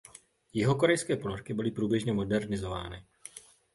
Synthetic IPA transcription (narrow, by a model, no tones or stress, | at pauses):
jɪɦo̞ko̞ɾɛjskɛːpoloɾkɪbɪlɪpɾuːbjɛʒɲɛmo̞dɛɾnɪzo̞va̰ːnɪ